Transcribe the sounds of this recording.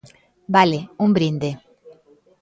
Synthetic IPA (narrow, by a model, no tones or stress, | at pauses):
baleũmbɾĩnd̪e